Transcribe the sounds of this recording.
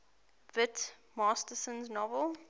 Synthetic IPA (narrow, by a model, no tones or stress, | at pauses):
vɪt | mɑːstəsə̃nznɔvəlˠ